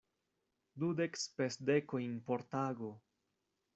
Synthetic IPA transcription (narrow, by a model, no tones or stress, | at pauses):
dudekspesdekojinpo̞ɾtaɡo